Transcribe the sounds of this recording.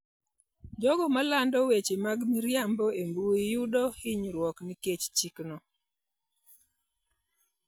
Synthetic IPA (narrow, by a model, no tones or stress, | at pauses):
d͡ʒɔɡɔmalandɔwet͡ʃemaɡmiɾjambɔembuijudɔhɪɲɾwɔkniket͡ʃt͡ʃiknɔ